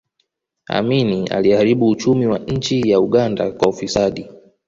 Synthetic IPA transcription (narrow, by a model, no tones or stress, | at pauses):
a̰minia̰lihaɾiɓuːt͡ʃumiwaɲ̩t͡ʃijauɠanda̰kwaufisaɗi